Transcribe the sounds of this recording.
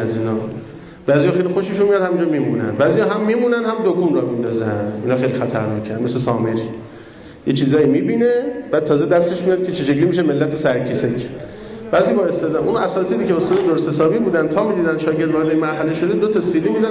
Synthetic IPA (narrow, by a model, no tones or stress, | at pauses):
æziːnɒː | b̥æːzijɒːxejlixoʃeʃunmijɒd̪hæmiːnd͡ʒɒːmiːmuːnæ̰nd̪bæːzijɒːɦæmːiːmuːnænd̪hæmd̪okʰuːnɾɒmind̪ɒːzænd̪iːnɒːxejlixæt̪ʰæɾnɒːkʰænd̪me̞sesɒːmeɾi | jet͡ʃʰiːzɒːjimiːbiːnebæːd̪̚t̪ʰɒːzed̪æst̪eʃmijɒd̪̚cʰet͡ʃʰeʃeɡliːmiːʃeme̞lːæt̪ʰosæɾkʰesemiʃæ̥nd̪ | bæːzibɒːest̪ɒd̪ænʔunʔæsɒːt̪ʰiːd̪iːceost̪ɒːd̪ed̪oɾsesɒːbiːbuːd̪ænd̪t̪ʰɒːmiːd̪iːd̪ænd̪ʃɒːke̞ɾd̪vɒːɾd̪ejmæɾɦæleʃod̪ed̪ot̪ʰɒsiliːmizæ